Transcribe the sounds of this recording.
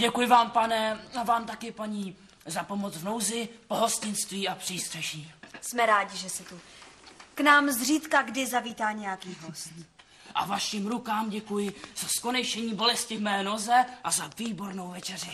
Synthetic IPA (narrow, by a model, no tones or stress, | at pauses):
ɟɛkujɪvaːmpanɛavaːmt̪akɪpaɲiː | zapo̞mot͡svno̞wzɪpoɦo̞scɪnst̪viːapr̥iːst̪r̥ɛʒiːsmɛɾaːɟɪʒɛsɛt̪u | knaːmzriːt̪kaɡdɪzaviːt̪aːɲɛjakiːɦost̪ | ʔa̰vaʃiːmɾukaːmɟɛkujɪz̥askonɛjʃɛɲiːbo̞lɛscɪvmɛːno̞zɛʔazaviːbo̞ɾno̞wvɛt͡ʃɛrɪ